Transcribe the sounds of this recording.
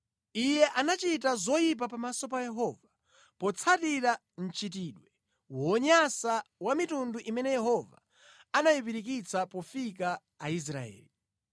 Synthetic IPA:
ijɛʔanat͡ʃitazɔjip̬apamasɔpajɛɦɔva | pɔt͡sʰatiɾa | n̩t͡ʃit̬iɗwɛ | wɔɲasawamitunduʔimɛnɛjɛhɔva̰ | anajip̬iɾik̬it͡sʰapɔfikaː | is̬ɾa̰ɛ̰ːli

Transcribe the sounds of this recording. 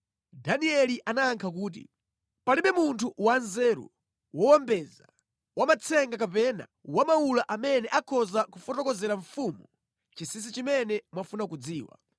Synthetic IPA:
daniɛliʔanaːŋkʰak̬uːt̬ḭ | paliɓɛmuntʰuwanzɛːɾṵ | wɔwambɛza | wamat͡sʰɛŋɡakapɛna̰wamaulaʔamɛnɛʔakʰɔzakufɔtɔkɔzɛɾaɱfumu | t͡ʃisis̬it͡ʃimɛnɛmwafunakud͡ziːwa̰

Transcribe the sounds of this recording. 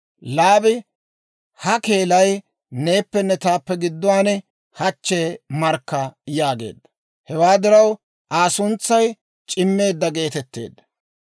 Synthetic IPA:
laːbɪ | hɐke̞ːlɐj | ne̞ːpːɛnːɛt̪aːpːɛɡɪd̪ːɔwaːnɛ | hɐt͡ʃːeːmɐɾkːɐjaːɡe̞̰ːd̪ːɐ̥ | hɛwaːd̪ɪɾɐw | ʔaːsʊnt͡sːɐj | t͡ʃʼɪmːe̞ːd̪ːɐɡe̞ːt̪ɛt̪ːe̞̰ːd̪ːɐ̥

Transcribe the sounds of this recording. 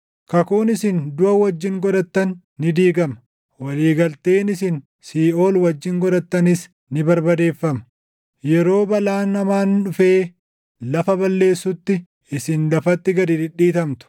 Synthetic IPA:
kɐkuːnɪsɪnd̪ʊɐwɐd͡ʒːɪŋɡɔd̪ɐt̪ːɐnː | ɪd̪iːɡɐmɐ | wɐliːɡɐlt̪e̞ːnɪsɪn | siːʔo̞ːlwɐd͡ʒːɪŋɡɔd̪ɐt̪ːɐnɪs | nɪbɐɾbɐd̪e̞ːfːɐmɐ̥ | jɛɾo̞ːbɐlaːnːɐmaːnᶑʊfe̞ː | lɐfɐbɐlːe̞ːsːʊt̪ːɪ | ɪsɪnlɐfɐt̪ːɪɡɐd̪id̪ɪɗːiːt̪ɐmt̪ʊ̥

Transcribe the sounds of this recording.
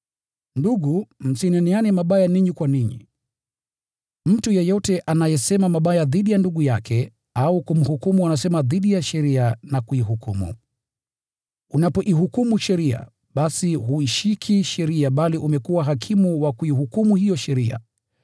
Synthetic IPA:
nduɠum̩sinɛnianimaɓajaniɲikwaniɲḭ | m̩tujɛjɔtɛʔanajɛsɛmamaɓajaðiɗijanduɠujakʰɛ | aukum̩hukumuanasɛmaðiɗijaʃɛɾianakuiɦukumṵ | unapɔʔiɦukumuʃɛɾia̰ | ɓasiɦuiʃikʰiʃɛɾiaɓaliʔumɛkuwaɦakʰimuwakuihukumuhijɔʃɛɾia̰

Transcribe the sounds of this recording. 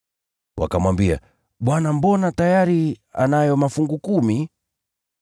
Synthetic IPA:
wa̰kamwambia̰ | ɓwanambɔnatajaɾia̰najɔmafuŋɡukumi

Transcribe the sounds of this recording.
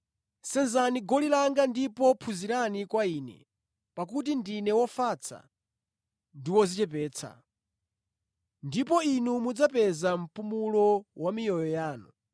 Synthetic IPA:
sɛnzaniɡɔlilaŋɡandipɔpʰuziɾanikwaiːnɛ̰ | pakut̬indinɛwɔfat͡sʰa̰ | ndiwɔzit͡ʃɛpɛːt͡sʰa̰ | ndipɔinumud͡zapɛzam̩pumulɔwamijɔjɔjaːnṵ

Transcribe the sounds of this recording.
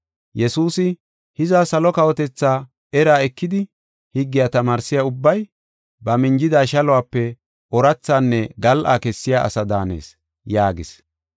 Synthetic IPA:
jɛsuːsɪ | hɪzaːsɐlɔkɐwɔt̪ɛt͡sːaː | ɛɾaːɛkːɪd̪ɪ | hɪɡːɪjaːt̪ɐmaːɾsɪjaʊbːɐj | bɐmɪnd͡ʒɪd̪aːʃɐlɔwaːpːɛ | ʔɔɾɐt͡sːaːnːɛɡɐlʔa̰ːkɛsːɪjaːʔɐ̰sɐd̪aːnḛːs | jaːɡɪs

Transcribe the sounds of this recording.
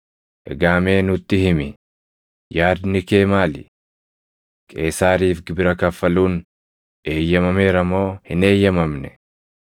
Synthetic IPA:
ʔɛ̰ɡaːme̞ːnʊt̪ːɪhɪmɪ | jaːd̪nɪkeːmaːlɪ̰ | kʼe̞ːsaːɾiːfɡɪbɪɾɐkɐfːɐluːn | ʔe̞ːjːɐmɐme̞ːɾɐmo̞ːhɪne̞ːjːɐmɐmnɛ

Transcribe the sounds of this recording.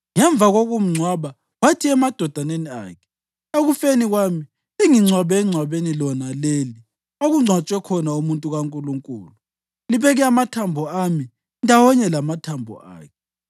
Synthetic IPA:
ŋɛɱb̪vʱaɣoɣum̩ŋ͡ǀʱwaβa | watʰiɛmad̥ʱɔd̥ʱanenia̰ːkʰɛ̥ | eɣufeniɣwami | iŋiŋ͡ǀʱwaβɛːŋ͡ǀʱwaβenilɔnaleːli | oɣuŋ͡ǀʱwat͡ʃʼwɛkʰɔnaumuntʼuɣaŋkʼuluŋkʼṵːlu | liβɛɣɛamatʰambʱɔami | ndʱawɔɲɛlamatʰambʱɔ̰ʔa̰ːkʰɛ

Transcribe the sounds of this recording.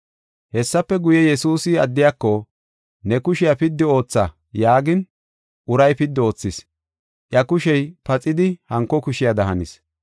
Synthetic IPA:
hɛsːɐpːɛɡʊjɛjɛsuːsɪɐd̪ːɪjakːɔ | nɛkʊʃɪjapɪd̪ːɪo̞ːt͡sːa | jaːɡɪn | ʔʊɾɐjpɪd̪ːo̞ːt͡sːɪs | ʔjɐkʊʃɛjpɐt͡sʼɪd̪ɪhɐŋkːɔkʊʃɪjad̪ɐɦɐnḭs

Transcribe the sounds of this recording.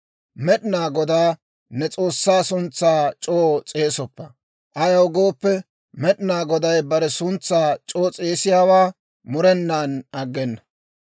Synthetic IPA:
mɛɗɪnaːɡɔd̪aː | nɛt͡sʼo̞ːsːaːsʊnt͡sːaːt͡ʃʼoːt͡sʼe̞ːsɔpːɐ | ʔɐjɐwɡo̞ːpːɛ | mɛɗnaːɡɔd̪ɐjbɐɾɛsʊnt͡sːaːt͡ʃʼo̞ːt͡sʼe̞ːsɪjaːwaː | mʊɾɛnːaːnɐɡːɛnːɐ

